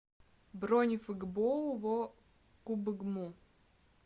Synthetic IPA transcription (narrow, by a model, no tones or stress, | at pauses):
bɾonʲifɨɡbovɔ | kubɨɡmu